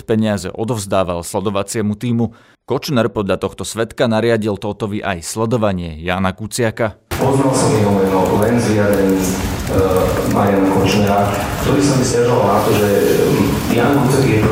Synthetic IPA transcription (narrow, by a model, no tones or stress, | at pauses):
pɛɲɪazɛ̰ʔɔd̪ɔʊzd̪aːʋalslɛd̪ɔʋat͡sɪɛmut̪iːmu | kɔt͡ʃnɛɾpɔd̪ʎat̪ɔxt̪ɔsʋɛt̪kanaɾɪaɟilt̪ɔt̪ɔʋiʔajslɛd̪ɔʋaɲɪɛjaːnakut͡sɪakapɔznalsɔmɛɦɔmɛnɔllɛnzʋiɾad̪ɾɛɲiːz | ma̰ɾjanakɔt͡ʃnɛɾakt̪ɔɾiːsambiscaʒɔalnat̪ɔʒɛ | jaːnkut͡saɡjɛ